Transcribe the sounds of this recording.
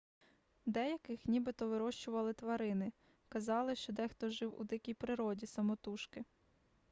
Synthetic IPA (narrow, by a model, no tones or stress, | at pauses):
d̪ɛjɐkɪxnʲibɪt̪ɔʋɪɾɔʃt͡ʃʊʋɐlˠɪt̪ʋɐɾɪnɪ | kɐzɑlˠɪʃt͡ʃɔd̪ɛxt̪ɔʒɪwṵd̪ɪkʲijpɾɪɾɔdʲisɐmɔt̪uʃkɪ